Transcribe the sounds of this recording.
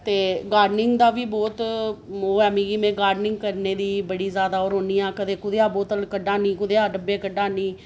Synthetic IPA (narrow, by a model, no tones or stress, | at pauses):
t̪eːɡaːɖnɪŋɡd̪aːʋiːbɔːt̪oːɛːmĩːɡiːmɛ̃ːɡaːɾɖnɪ̃ŋɡkəɾneːd̪iːbəɽiːzjaːd̪aːɔːɾɦoːniːãːkəd̪eːkʊd̪eːaːboːt̪əlkəɖaːniːkʊd̪eːaːɖəbeːkəɖaːniː